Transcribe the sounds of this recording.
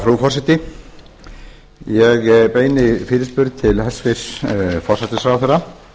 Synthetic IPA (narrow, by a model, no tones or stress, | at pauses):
fɾuːfɔrsat̪ɪ | jɛɣpeːjnɪfɪːɾɪspʏɾð̚t̪ʰɪlhɛsfɪ̥sfɔr̥sat̪ɪsɾawθɛɾa